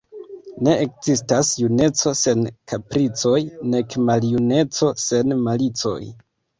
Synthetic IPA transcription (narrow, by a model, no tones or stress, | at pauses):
ne̞ekz̥istasjune̞t͡so̞se̞nkapɾit͡so̞jne̞kmaljune̞t͡so̞se̞nmalit͡so̞̰j